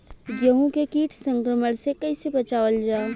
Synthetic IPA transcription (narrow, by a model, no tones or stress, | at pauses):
djəɦũkekiːʈʰsə̃ŋkɾəməɽsekɐɪsebət͡ʃaːʋəld͡ʒaː